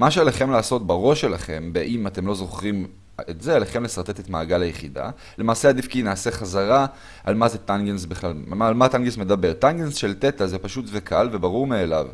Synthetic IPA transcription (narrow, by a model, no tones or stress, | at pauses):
maʃ̬ealeχe̞mlaːso̞tbaʁo̞ʃelaχe̞mbeʔimat̪e̞mlo̞zo̞χʁim | etzealeχe̞mle̞saʁt̪e̞te̞t̪maːɡalajeχida̰ | le̞maːseadifkinaːse̞χazaʁa | ʔalmaze̞t̪anɡensbeχlalaːlmataŋɡesme̞dabe̞ʁtanɡensʃe̞lt̪etazepaʃutvekʰalvebaʁuʁmeːla̰v